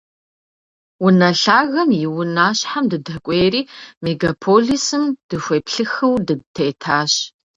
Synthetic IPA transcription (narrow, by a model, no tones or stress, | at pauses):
wʊnɐɬaːɣɐmjɪwʊnaːɕħamdɨdɐkʷʼeːɾiːmeɡapʰoːɮisɨmd̥ɨxʷeːpɬɨxɨwdɨtʰeːtʰaːɕ